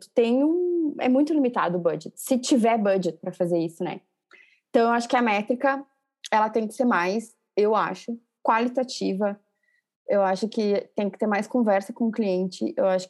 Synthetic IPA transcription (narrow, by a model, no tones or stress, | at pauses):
t̪ẽj̃ũɛ̰mũj̃t̪ʊlimit̪a̰d̪ʊːbɐd͡ʒet̪sɪt͡ʃivɛɾbɐd͡ʒet̪̚pɾɐfazeɾisʊnɛ̰ | ẽt̪ɐ̃w̃ewaʃʊ̥kɪɐmɛt̪ɾikɐ | ɛlɐt̪ẽj̃kɪ̥seɾmajs | ewa̰ʃʊ | kwalit̪at͡ʃivɐ | ewaʃʊkɪt̪ẽj̃kɪ̥t̪eɾmajskõvɛɾsɐkõʊkliẽnt͡ʃɪ̰ḛwaʃʊ̥